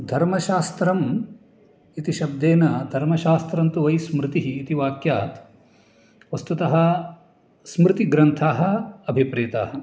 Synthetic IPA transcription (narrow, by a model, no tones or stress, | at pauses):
d̪ʱɐɾmɐʃaːst̪ɾɐm | it̪iʃɐb̚d̪eːnɐd̪ʱɐɾmɐʃaːst̪ɾɐnt̪uʋɐjsmɾɪt̪iɦiːt̪iʋaːkjaːt̪ | ʋɐst̪ut̪ɐɦɐ̆ | smɾɪt̪iɡɾɐnt̪ʰaːɦɐ̆ɐbʱipɾeːt̪a̰ːɦɐ